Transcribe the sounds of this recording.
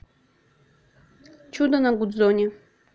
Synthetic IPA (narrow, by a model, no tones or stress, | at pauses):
t͡ʃud̪anaɡud̪zonʲe